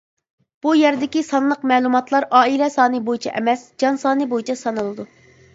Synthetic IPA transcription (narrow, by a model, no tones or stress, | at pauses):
b̥ujæɾd̪ɪkʲisɑnlˠəqmɛːlˠumɑt̪ʰlˠɑɾɑːilɛsɑːnɨbojit͡ʃʰɛ̰ʔɛ̰mɛsd͡ʒɑnsɑːnɨbojit͡ʃʰɑsɑnɨlˠɨd̪u